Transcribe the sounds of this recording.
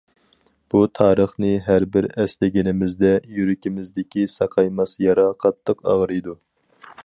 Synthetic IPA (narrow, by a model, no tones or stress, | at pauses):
b̥ut̪ʰɑːɾəχnɨɦæɾbɪɾɛslɪɡʲinɪmɪzd̪ɛjyɾɪkʲimɪzd̪ɪkʲisɑqʰɑjmɑsjɑɾɑqʰɑt̪ləqɑ̰ʁɾɨjd̪u